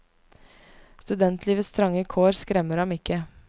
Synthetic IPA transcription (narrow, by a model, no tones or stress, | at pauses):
st̪ʉd̪ɛnt̪ʰliːʋəst̪ʰɾɑŋəkʰoːɾskɾɛməɾhɑmɪkə